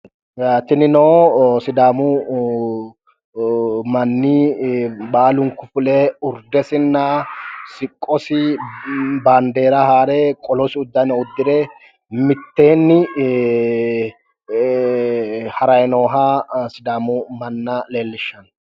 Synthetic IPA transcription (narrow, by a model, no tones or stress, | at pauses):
t̪ɪnɪnoːsɪd̪aːmʊ | mɐnːi | baːlʊŋkʊfʊleʊɾd̪ɛsɪnːɐsɪkʼːɔsɪ | baːnd̪e̞ːɾɐhaːɾɛkʼɔlɔsɪʊd̪ːɐnɛʊd̪ːɪɾeː | mɪt̪ːe̞ːnːɪ | hɐɾɐjnoːɦasɪd̪aːmʊmɐnːɐleːlːɪʃːɐn